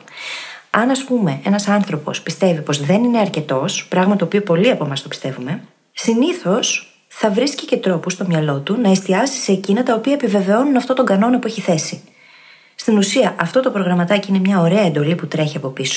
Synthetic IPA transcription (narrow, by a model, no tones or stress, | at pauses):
ɐnɐspume̞e̞nɐsɐnθɾo̞po̞̰spist̪e̞vipo̞zðe̞nine̞ɐɾce̞t̪o̞spɾɐɣmɐt̪o̞ːpiopo̞liɐpo̞mɐst̪opi̥st̪e̞vume̞ | siniθo̞s | θɐvɾiscice̞t̪ɾo̞pust̪o̞mɲɐlo̞t̪unɐest̪iɐsi̥se̞ːcinɐt̪ɐopiɐepive̞ve̞o̞nunɐft̪o̞t̪o̞ŋɡɐno̞nɐpue̞çiθe̞si | st̪inusiɐʔɐft̪o̞t̪o̞pɾo̞ɣɾɐmɐt̪ɐciine̞mɲɐo̞ɾe̞ɐend̪o̞liput̪ɾe̞çiɐpo̞piso̥